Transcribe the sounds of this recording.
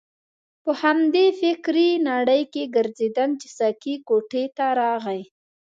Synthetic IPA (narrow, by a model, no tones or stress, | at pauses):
pəhamd̪efɪkɾinaɽəjkeɡəɾzed̪an̚t͡ʃɪ̥sakikoʈet̪aɾɑɣaj